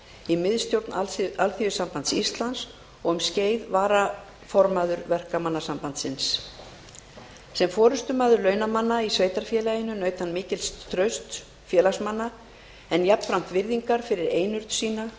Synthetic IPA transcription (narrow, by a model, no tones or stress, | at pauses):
imɪðst̪jowɾt̪nalθiːvʏsampant̪sist̪lans | ɔɣʏmsceːjðvaːɾa | fɔɾmaðʏɾvɛr̥kamanːasampant̪sɪns | sɛmfɔːɾʏst̪ʏmaːðʏɾlœːɥnamanːaisveːjt̪aɾ̥fjɛːlajɪnʏnœːɥt̪hanːmɪːcɪlst̪ʰɾœɥst̪ | fjɛːlasmanːa | ɛnjapːɾam̥t̪vɪɾðiŋkaɾ̥fɪɾɪɾeːjnʏɾt̪siːna